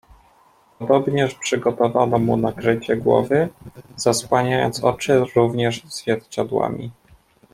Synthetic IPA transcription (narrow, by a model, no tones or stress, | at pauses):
pɔd̪ɔbɲɛʂpʂɘɡɔt̪ɔvanɔmunakɾɘt͡ɕɛɡwɔ̰vɘz̥aswaɲajɔ̰nt̪sɔt͡ʂɘɾuvɲɛʐz̥vʲjɛɾt͡ɕad̪wa̰mʲḭ